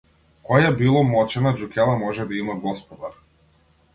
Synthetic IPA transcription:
kɔjabilˠɔmɔt͡ʃɛnad͡ʒukʲɛlˠamɔʒɛd̪aimaɡɔspɔd̪aɾ

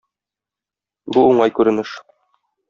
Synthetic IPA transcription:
buuɴɑjkʉɾɘ̆nɘʃ

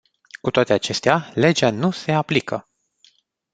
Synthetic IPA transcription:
kut̪oat̪e̞at͡ʃe̞st̪eale̞d͡ʒanuse̞aplikə̰

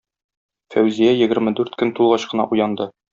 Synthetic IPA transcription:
fæwzijæjɘ̆ɡɘ̆ɾmɘd̪ʉɾt̪kɵnt̪ulˠʁɑɕqɤ̆nɑ̰ʔujɑnd̪ɤ

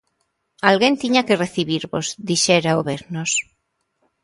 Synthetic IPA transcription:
alɣent̪iɲakereθiβiɾβozd̪iʃɛɾaoβeɾnos

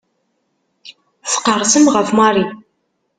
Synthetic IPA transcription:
θqərˤsəmʁəfmɑɾˤi

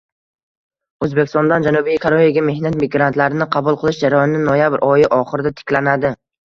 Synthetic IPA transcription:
ɵzbekʲʰɪst̪ɒnd̪and͡ʒanubijkʰaɾojaɡʲame̞hnat̪mɪɡɾant̪laɾɪnɪqʰɑbʊlˠqʰɨlˠɪʃd͡ʒaɾajɒnɪːɪnojabɪɾʔɒjɪʔɒχɨɾɪd̪at̪ʰɪ̥kʲlanad̪ɪ

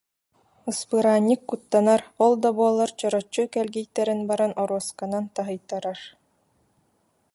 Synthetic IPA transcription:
ɯspɯɾaːnʲːikːut̪ːanaɾɔlˠd̪abuɔlˠːaɾt͡ɕɔɾɔt͡ɕːukɛlɡijt̪ːɛɾinbaɾanɔɾuɔskanant̪aɦɯjt̪aɾaɾ

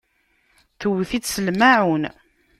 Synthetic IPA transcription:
θəwθit͡ssəlmaʕun

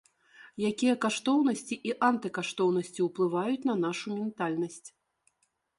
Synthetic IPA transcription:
jakʲijɐkaʂt̪ɔwnɐsʲt͡sʲiʔiʔant̪ɨkaʂt̪ɔwn̪ɐsʲt͡sʲiwplˠɨvajut͡sʲnɐn̪aʂumʲɛnt̪alʲnɐsʲt͡sʲ

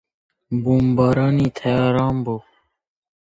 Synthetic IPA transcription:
bumbɑːɾɑnit̪ʰajɑːɾɑːmbo

